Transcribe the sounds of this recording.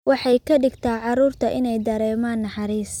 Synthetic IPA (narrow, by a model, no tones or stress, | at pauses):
wɑħɑjkʰɐɖɪɡt̪ʰaːʕɑɾuːrt̪ʰɐʔɪnɛjd̪ɐɾɛːmaːnːɑħɑɾiːs